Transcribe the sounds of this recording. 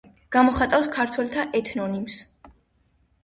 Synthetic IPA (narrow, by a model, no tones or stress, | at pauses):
ɡ̥amɔχat̪ʼawskʰaɾt̪ʰwɛlt̪ʰaʔɛt̪ʰnɔnims